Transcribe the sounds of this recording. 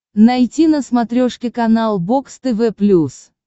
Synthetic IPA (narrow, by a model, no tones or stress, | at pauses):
nɐjtʲinəsmɐt̪ɾʲoʂkʲɪkɐnalˠbokst̪ɨvɛplʲus